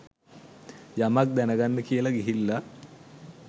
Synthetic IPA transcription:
jamak̚d̪ænəɡanːəkijəlaɡiɦilːa

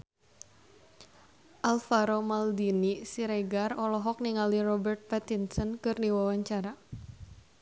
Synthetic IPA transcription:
ʔalfaɾomald̪inisiɾeɡarɔlɔɦɔk̚niŋalirɔbɛrt̪̚pɛt̪insɔnkɨrdiwawaɲt͡ʃaɾa

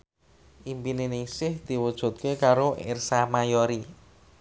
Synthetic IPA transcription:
ʔimpinenɪŋsɪhd̪̥i̤wud̥ʒ̥ṳt̪̚kekaɾoʔɪ̰rsamajoɾi

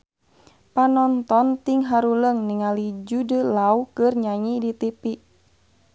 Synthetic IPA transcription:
panɔnt̪ɔnt̪iŋɦaɾuləŋniŋalid͡ʒudəlaukərɲaɲidit̪ipiʔ

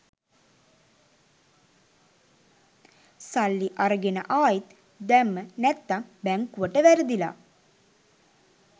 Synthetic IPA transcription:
salːiʔaɾəɡenə̰ʔaːjit̪ | d̪ɛmːənɛt̪ːambɛŋkuʋəʈəʋæɾəd̪ila̰ː

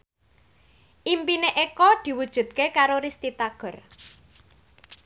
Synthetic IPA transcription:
ʔimpineʔekɔd̪̥i̤wud̥ʒ̥ṳt̪̚kekaɾoɾist̪it̪aɡ̥ɔ̤r

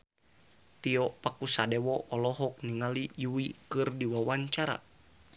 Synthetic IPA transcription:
t̪iɔpakusadɛwɔʔɔlɔɦɔk̚niŋalijuwikɨrdiwawaɲt͡ʃaɾa̰

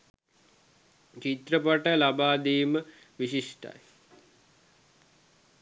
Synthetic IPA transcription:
t͡ʃit̪ɾəpaʈəlabaːd̪iːmə | ʋiɕiʂʈa̰j

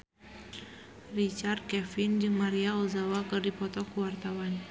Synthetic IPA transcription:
rit͡ʃart̪̚kɛfind͡ʒɨŋmaɾiauzawakɨrdipɔt̪ɔkuwart̪awan

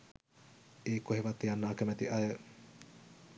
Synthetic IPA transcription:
eːkoɦeʋat̪ːijanːaːkəmæt̪iʔajə

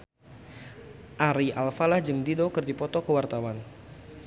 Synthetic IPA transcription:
ʔaɾiʔalfalahd͡ʒɨŋdidokərdipɔt̪ɔkəwart̪awan

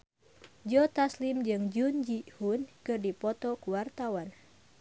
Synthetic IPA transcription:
d͡ʒɔt̪aslimd͡ʒɨŋd͡ʒund͡ʒihunkɨrdipɔt̪ɔkuwart̪awan

